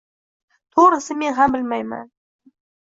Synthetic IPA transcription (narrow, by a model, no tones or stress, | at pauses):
t̪ʰoɾəsəmenɦambɪlmajma̰n